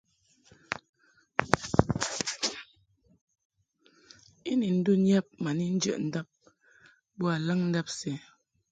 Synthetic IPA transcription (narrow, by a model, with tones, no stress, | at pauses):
i˦ni˨n̩˦du˦njɛ˦p̚ma˨ni˦n̩˦d͡ʒə̰˨ʔn̩˦da˦p̚ | bɔ˦a˨lə˦ŋn̩˦da˦p̚sɛ˨